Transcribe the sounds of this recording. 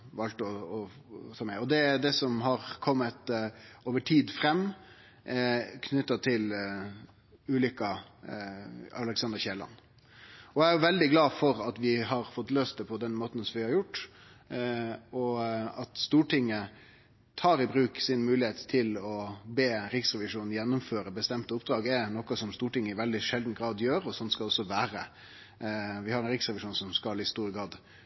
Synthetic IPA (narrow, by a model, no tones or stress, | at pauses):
ʋɑlt̪əɔɔ | t̪ʰɑːmæɪɔd̪ɛd̪ɛsɔmɦɑɾkʰɔmːət̪oːʋəʈʰiːd̪fɾɛmː | kʰnʏt̪ːɑt̪ʰɪl | ʉːlʏkːɑ | ɑlɛksɑnd̪əɾçɛlɑ̰n | ɔæɾjʊʋɛld̪ɪɡlɑːfɔɾɑt̪ʋɪɦɑɾfɔt̪ːløːst̪d̪əpʰɔd̪ɛnmoːt̪n̩sɔʋɪhɑɾjʊʈː | ɔɑt̪st̪uːʈʰɪŋːə | t̪ʰɑːɾɪbɾʉːksɪnmʉːlɪheːt̪t̪ʰɪlɔbeːɾɪksɾɛʋɪʂuːnn̩jɛnːʊmføːɾəbəst̪ɛmt̪əʊp̚d̪ɾɑːɡɛnɔkɑsɔmst̪uːʈɪŋːəɪʋɛld̪ɪʂɛld̪n̩ɡɾɑːd̪jøːɾɔsɔnskɑɔsːɔʋæːɾə | ʋɪhɑɾɛnɾɪksɾɛʋɪʂuːnsɔmskɑlɪst̪uːɾəɡɾɑːd̪